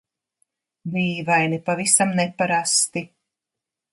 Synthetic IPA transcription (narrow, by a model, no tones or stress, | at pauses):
liːvajnipavisamnɛpaɾast̪i